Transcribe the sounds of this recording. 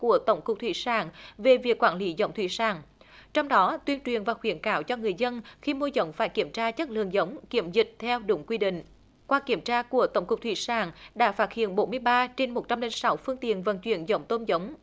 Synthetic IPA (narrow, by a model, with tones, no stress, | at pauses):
ku˧˩ət̪ə˧˩wŋ͡mkʊ˨˩k͡p̚t̪ʰwi˧˩saː˧˩ŋve˨˩vi˨˩əkːwaː˧˩nli˨˦zə̰˧˦wŋ͡mt̪ʰwḭ˧˩saː˧˩ŋ | t͡ɕɔ˧wŋ͡mɗɔ˨˦t̪wi˧ənt͡ɕwḭ˨˩ənvaː˨˩xwi˧˩ənkaː˧˩wt͡ɕɔ˧ŋɨ˨˩əjzə˧nxi˧mo˧zə˨˦wŋ͡mfaː˧˩jki˧˩əmt͡ɕaː˧t͡ɕə˦˥t̚lɨ̰˨əŋzə˨˦wŋ͡mki˧˩əmzï˨˩t̚t̪ʰɛ˧wɗʊ˧˩˦ŋ͡mkwi˧ɗḭ̈˧˨ŋ̟ | kwaː˧ki˧˩əmt͡ɕaː˧ku˧˩ət̪ə˧˩wŋ͡mkʊ˨˩k͡p̚t̪ʰwi˧˩saː˧˩ŋɗa̰ː˧˥faː˦˥t̚hḭ˧˨ənɓo˨˦nmɨ˧əjɓaː˧t͡ɕe˧nmo˨˩t̚t͡ɕa˧mle˨˦nsa˨˦wfɨ˧əŋt̪ḭ˧˨ənvə˨˩nt͡ɕwḭ˧˩˨ənzə˧˦wŋ͡mt̪o˧nzə˨˦wŋ͡m